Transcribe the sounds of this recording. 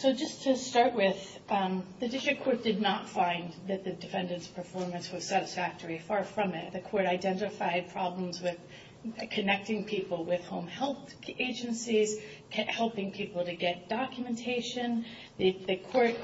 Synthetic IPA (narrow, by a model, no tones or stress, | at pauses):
soʊd͡ʒʌstʰɨstɑɹʔwɪð | ðɨdɪstɹ̥ɨkʰːɔɹt̚d̥ɨdⁿnətfãɪ̃nðɨt̪̚ðɨdɨfɛ̃ndɨ̃ntspʰə˞fɔɹmɨ̃nswʌz̥sæɾɨsfæk̚tʰə˞ifɑɹfɹʌ̃mɪt̪̚ðɨkʰɔɹɾaɪdɛ̃ntɨfaɪd̚pʰɹ̥ɑblə̃mzwɪð̥ | kʰɨnɛk̚tɪ̃ŋpʰipl̩ˠwɪð̥hõʊ̃mhɛlˠθ | eɪd͡ʒɨ̃nsiz̥ʰ | ʔhɛlˠpɪ̃ŋpʰipl̩ˠtɨɡɛt̚d̥ɑkjɨmɨ̃n̩tʰeɪʃɨ̃n | ðɨðɨkʰɔɹt̚